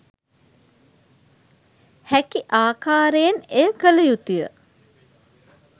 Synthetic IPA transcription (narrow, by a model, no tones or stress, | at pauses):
hækiʔaːkaːɾejenejəkələjut̪ijə̰